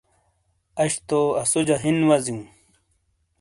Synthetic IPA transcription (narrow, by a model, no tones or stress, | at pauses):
ɐɕt̪oɐsud͡ʑaɦinwɐziũ